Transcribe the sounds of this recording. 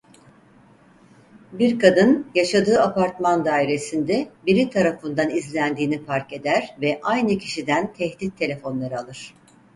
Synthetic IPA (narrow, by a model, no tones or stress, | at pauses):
biɾkad̪ɯnjaʃad̪ɯːapaɾt̪mand̪aːiɾe̞sind̪ɛbiɾit̪ʰaɾafɯnd̪anizlʲænd̪iːnipʰaɾke̞d̪æɾ̥vɛʔajnɯcʰiʃid̪ænt̪ʰɛhd̪it̪ʰːe̞lʲe̞fo̞nlˠaɾɯalˠɯɾ̥